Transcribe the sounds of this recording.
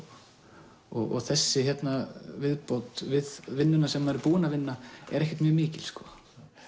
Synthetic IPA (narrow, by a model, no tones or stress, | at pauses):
ɔɣɔ̰ɣθɛsːɪçjɛt̪navɪðpot̪vɪðvɪnːʏnasɛmːaɛɾpuːɪnavɪnːaɛ̰ɾɛhcɛ̥t̪mjœːmiːcɪlskɔ